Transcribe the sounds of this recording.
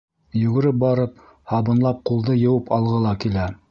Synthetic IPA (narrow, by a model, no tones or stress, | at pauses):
jɵ̆ɡɘ̆ɾɘp̚bɑɾɤp̚ | hɑβɤ̆nlˠɑp̚qulˠd̪ɤjɤ̆wɤpɑlˠʁɤlˠɑkilæ